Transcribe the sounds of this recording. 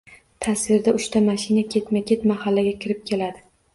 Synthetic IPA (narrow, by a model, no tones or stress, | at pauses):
t̪ʰasvɪɾd̪aʊʃt̪ʰamaʃɪnakʲʰe̞t̪makʲʰe̞t̪mahalːaɡʲakʲʰɪɾɪp̚kʲʰe̞lad̪ɪ